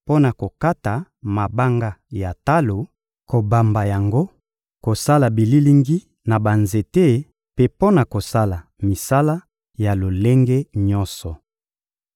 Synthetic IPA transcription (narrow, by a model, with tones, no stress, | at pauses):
po˦na˨ko˨ka˦ta˨ma˨ba˦ŋɡa˦ja˨ta˦lo˨ | ko˨ba˨mba˨ja˨ŋɡo˦ | ko˨sa˦la˨bi˨li˦li˦ŋɡi˦ | na˨ba˨nze˨te˦ | pe˦po˦na˨ko˨sa˦la˨mi˨sa˦la˦ | ja˨lo˨le˦ŋɡe˦ɲɔ˦nsɔ˨